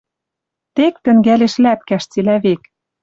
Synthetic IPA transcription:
t̪ek̚t̪ɘ̆ŋɡæleʃlæp̚kæʃt͡silæβek

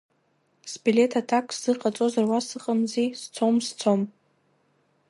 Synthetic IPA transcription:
sbile̞tʰatʰakʰʼsz̥ɨqʼat͡sʼozarwasɨqʼamzist͡sʰomst͡sʰom

